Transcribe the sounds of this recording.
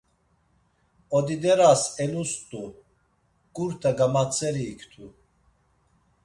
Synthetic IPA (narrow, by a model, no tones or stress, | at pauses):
ɔd̪id̪ɛɾasɛnust̪ʼu | kʼuɾt̪ʰaɡamat͡sʰʼɛɾiːkʰt̪ʰu